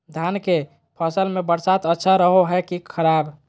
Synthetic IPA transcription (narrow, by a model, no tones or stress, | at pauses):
d̪ʱanke | pʰəsəlmebəɾsat̪ətːʃʰaɾəɦoɦɛkikʰəɾab